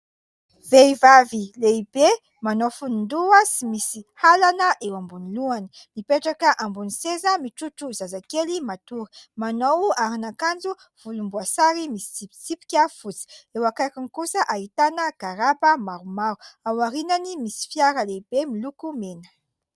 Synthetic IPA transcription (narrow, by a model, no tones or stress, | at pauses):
v̥eivavileib̥e | manowfunund̪uəsimisihalanəʔewambuniluani̥ | mipeʈ͡ʂakəʔambunisezəmiʈ͡ʂuʈ͡ʂuzazakelimat̪uɾi̥manowaɾinakand͡zu | v̥ulumbuasaɾimisi̥t͡sipi̥t͡sipi̥kʲafut͡si̥ewakakanikusəʔaɦit̪anəɡ̥aɾabəmaɾumaɾuawaɾinanimisi̥fjaɾəleibemilukumenə̥